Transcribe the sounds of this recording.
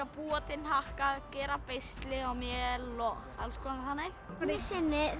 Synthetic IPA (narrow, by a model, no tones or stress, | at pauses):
apuːwat̪ɪnhahkaðcɛːɾapejst̪lɪawmjɛɛlɔ | alskɔːnθanːɪ | ɾɛsɪnːɪ